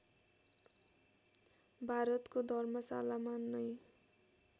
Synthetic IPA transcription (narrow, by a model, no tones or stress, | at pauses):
bʱaɾʌt̪kod̪ʱʌrmʌsa̰lamanːʌj